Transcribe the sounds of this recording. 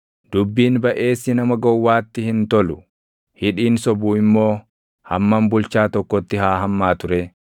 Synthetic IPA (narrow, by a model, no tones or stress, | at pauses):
d̪̥ʊbːiːnbɐʔe̞ːsːɪnɐmɐɡɔwːaːt̪ːɪhɪnt̪ɔlʊ | hɪᶑiːnsɔbuːɪmːo̞ː | hɐmːɐmbʊlt͡ʃaːt̪ɔkːɔt̪ːɪhaːɦɐmːaːt̪ʊɾɛ